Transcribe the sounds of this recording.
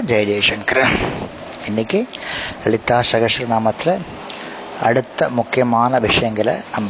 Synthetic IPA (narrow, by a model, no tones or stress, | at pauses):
d͡ʑɐjdeːʂɐnkɾɐ | enikʲːɨʋeɭit̪ːaːsɐɣɐʂɐɾɐnaːmɐt̪ːilɨ | ɐ̰ɽut̪ːɐmukʰjɐmaːnɐʋiʂɐjɐŋɡil̰nɐm